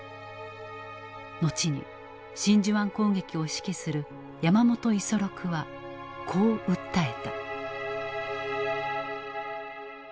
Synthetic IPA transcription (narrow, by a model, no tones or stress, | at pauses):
no̞t͡ɕiɲ̟ḭ | ɕĩɲ̟d͡ʑɨβãŋko̞ːŋɡe̞kʲio̞ɕi̥kʲisɨɾɯ̟ | jamamo̞t̪o̞iso̞ɾo̞kɯ̟βa | kʰo̞ːɯ̟t̪ːae̞t̪a